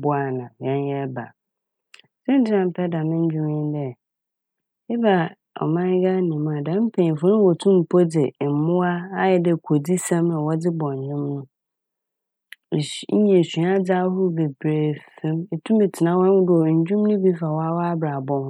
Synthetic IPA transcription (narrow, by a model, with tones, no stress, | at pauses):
bʊ˦a˨nã˨ɛ̃˦n˦jɛ˦ba̰˨ | sɛ̃˦n˦tɪ˦nã˨m̩˦˨pʰɛ˦dã˨mɪ̃˦ɲ̩˦d͡ʑᶣʊ˦mɪ̃˦n˦dɛ˦ | ɛ˦ba˨ | ɔ̰˨mã˦ɡa˦nĩ˨mũ˨˦a˨dã˨˦m̩˦pʰẽ˨fʊ̃˦nʊ̃˦wɔ˨tʰũ˦m̩˨pʰɔ˦d͡zɪ˨m̩˨mʊ̃˦a˦a˦jɛ˨dɛ˨kʰo˨di˦sã˦mnã˨wɔ˦d͡zɪ˦bɔ̃˨ɲ̩˨ɲᶣʊ̃˦mnʊ̃˦˨ | ɲ̩˦ɲɛ̃˨si˨a˦d͡za˦hʊ˦be˨bɾe˨fɛ̃˦me˨tʰũ˦mɪ˨tʰɪ˨nã˦wɔ̃˦ʊ̃˦dʊ˦ɔ˨ɲ̩˨d͡ʑᶣũ˦m˦nʊ̃˦bi˦fa˨wɔ˦a˦wɔ˦a˦bɾa˨bɔ̃˦m